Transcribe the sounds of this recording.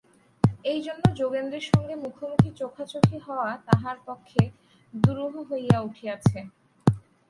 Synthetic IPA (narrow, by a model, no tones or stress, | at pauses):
ejd͡ʑonːod͡ʑoɡend̪eɾʃɔŋɡemukʰomuk̪ʰit͡ɕokʰat͡ɕokʰiɦɔoat̪aɦaɾpokʰːe | d̪uɾoɦoɦojauʈʰiat͡ɕʰe